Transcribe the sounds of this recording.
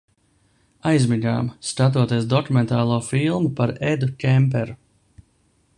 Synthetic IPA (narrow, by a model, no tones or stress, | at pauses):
ajzmiɲa̰ːmskat̪̬uɔt̪iɛsd̪ɔkumɛnt̪aːlˠuːfilˠmupaɾɛd̪ucʲɛmp̬ɛɾu